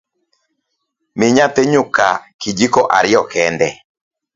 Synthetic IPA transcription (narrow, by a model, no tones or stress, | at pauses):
mɪɲat̪eɲʊkakid͡ʒikɔʔaɾɪɔkɛndɛ